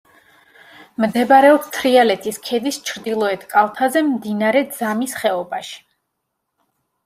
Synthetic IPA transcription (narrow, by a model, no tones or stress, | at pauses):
md̪ɛbaɾɛɔpst̪ʰɾialɛt̪ʰiskʰɛd̪ist͡ʃʰɾd̪ilˠɔɛt̪ʰkʼalˠt̪ʰazɛmd̪inaɾɛd̪z̥amisχɛɔbaʃi̥